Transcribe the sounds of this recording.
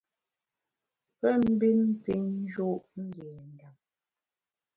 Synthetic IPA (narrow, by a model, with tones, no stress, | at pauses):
pɛ˦m̩˦bi˦m̩˦pi˦ɲ˦d͡ʒo˦˨ʔŋ̩˦ɡɛː˨n˨da˨m